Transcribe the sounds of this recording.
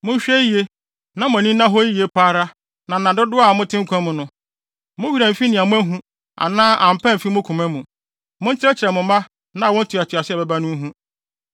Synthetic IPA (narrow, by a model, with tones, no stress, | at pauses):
mʊ̃˦ɕᶣɛ˦je˦ | nã˨mʊ̃˨nĩ˦nã˦ɦɔ˦ji˦je˦pʰaː˦ɾa˦ | nã˨nã˨dʊ˦dʊ˦a˦˨mʊ̃˦tʰɪ̃˦ŋ̩˦kʰʷã˦mʊ̃˦nʊ̃˨ | mʊ̃˦ɥi˨ɾɛ˨m̩˨fi˦nɪ̃˨a˨mʊ̃˦æ˦ɦũ˦ | a̰˨nãː˦ʔã˨m̩˨pɛ̃˦m̩˨fi˦mʊ̃˦kʰũ˨mɛ̃˦mũ˨ | mʊ̃˦n̩˦t͡ɕɪ˦ɾɛ˦t͡ɕɪ˨ɾɛ˨mʊ̃˨mã˦ | nã˨˦˨wɔ̃˦n̩˦tʰu˨a˨tʰʊ˨a˨sɪ˦ɛ˨bɛ˨ba˦nʊ̃˦ɦũ˦